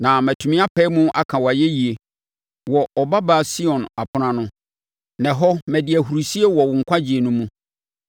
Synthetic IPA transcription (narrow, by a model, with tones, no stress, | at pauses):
nã˨mɛ̃˨tʰu˨mɪ̃˦a˦pʰɛ˦mʊ̃˦ʔa˦kʰã˨wa˨jɛ˦ji˨e˨ | wɔ˨ɔ˨ba˦ba˦˨si˦ɔ̃˨na˨pʰʊ˦nã˦nʊ̃˦ | nɛ̃˨ɦɔ˦mæ̃˨dɪ˨æ˨ɦu˨ɾu˨si˦e˦wɔ˨wʊ̃˨ŋ̩˨kʷʰa˦d͡ʑi˨e˨nʊ̃˦mũ˦